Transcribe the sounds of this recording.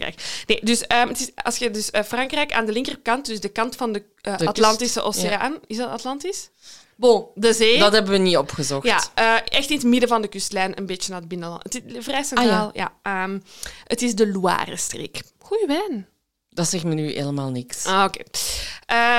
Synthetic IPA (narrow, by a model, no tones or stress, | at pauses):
ɛ̰kneːdʏsəːmətɪsɑ̰lsxədʏsəfrɑŋkrɛjka̰ːndəlɪŋkərəkɑnt̚dʏzdəkɑntfɑndə | ʔəɑtlɑntisəʔoseanɪzdɑtɑtlɑntɪs | bodəzeːdɑtɦɛbəʋəniɔpxəzɔxjatːʔəːʔɛxtɪnətmɪdəvɑndəkʏstlɛːnə̰nbeːt͡ʃənad̚bɪnəlɑ̰ətɪvrɛjsɛntraːlˠja̰ʔəːmətɪzdəlua̰ːrəstrḛːk | ɣujəʋɛːn | d̥ɑtsɛxmənyːḛːləmaːlˠnɪksokḛːʔəː